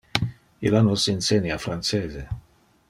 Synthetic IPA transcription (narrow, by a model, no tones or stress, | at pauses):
ilanosinsenjafɾanseːze